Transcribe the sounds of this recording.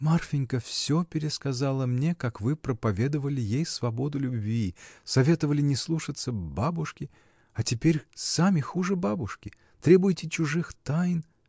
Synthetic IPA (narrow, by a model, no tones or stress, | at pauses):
marfʲɪnʲkəfsʲopʲɪɾʲɪskɐzalˠəmnʲekakvɨpɾəpɐvʲe̞d̪əvəlʲɪjejsvɐbo̞d̪ʊlʲʊbvʲisɐvʲe̞t̪əvəlʲɪnʲɪslˠuʂət̪səbabʊʂkʲɪ | ɐtʲɪpʲeɾʲsamʲɪxuʐɨbabʊʂkʲɪ | t̪ɾʲe̞bʊjɪtʲɪt͡ɕʊʐɨxt̪ajn